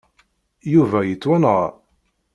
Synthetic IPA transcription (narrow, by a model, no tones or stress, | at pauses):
juvæjət͡sːwænəʁ